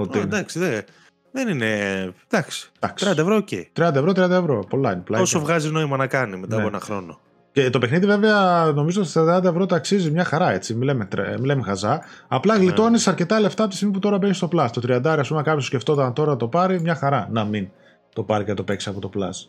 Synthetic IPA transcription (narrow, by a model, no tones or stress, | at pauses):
ot̪iind̪ɐksiðe | ðenined̪̥ɐksi̥d̪̥ɐksɾiɐnd̪ɐevɾoːcḛt̪ɾiɐnd̪ɐevɾot̪ɾijɐnd̪ɐevɾo̞po̞lɐineplɐosovɣɐzino̞imɐnɐkɐnimet̪ɐpoenɐxɾo̞̰no | cet̪o̞pe̞xniðive̞veɐno̞mizoot̪st̪ɾiɐd̪ɐnd̪ɐevɾo̞t̪ɐksizimɲɐxɐɾɐe̞t͡similemet̪milemexɐzɐ | ɐplɐɣlit̪o̞nisɐɾce̞t̪ɐle̞ft̪ɐpot̪istiɣmip̬ut̪o̞ɾɐbe̞nist̪oplɐst̪ot̪ɾiɐnd̪ɐɾiɐspumekɐpososceft̪o̞t̪ɐnt̪oɾɐɐt̪o̞pɐɾimɲɐxɐɾɐnɐmin | t̪o̞pɐɾicenɐt̪o̞pe̞ksiɐpo̞t̪o̞plɐ̰s